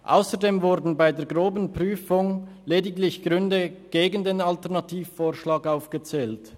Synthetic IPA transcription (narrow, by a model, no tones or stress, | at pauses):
ʔa̰ʊsədeːmvʊdn̩baɪdeːɐɡʁoːbən̩pʁ̥yːfʊŋ | leːdɪɡlɪçɡ̥ʁʏndəɡ̥eːɡən̩deːnaltɛʁnɑtʰiːffoːʃlɑːkaʊfɡ̥ət͡sɛːlt